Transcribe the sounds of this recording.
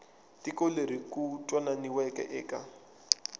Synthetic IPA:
tikɔleɾ̤ikutʼwananiwɛkɛ̰ʔɛ̰ːka

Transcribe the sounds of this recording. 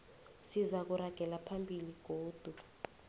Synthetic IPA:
sizak̬uɾaɡ̥ʱɛlapʰambʱiliɡ̥ʱoːd̥ʱu

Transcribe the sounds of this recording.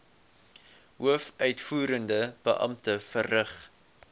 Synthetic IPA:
ɦuəfœɥtfuːɾəndəb̥ə̰ʔɐ̰mtəfərəχ

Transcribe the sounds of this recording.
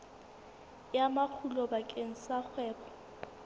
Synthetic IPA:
jamak͡xʰulɔbakʼeŋ̩sak͡xʰwɛːpʰɔ̥

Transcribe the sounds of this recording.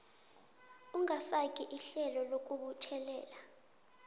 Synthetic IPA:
uŋafakʼiʔiɬɛlɔlokʼuɓutʰɛlɛːla

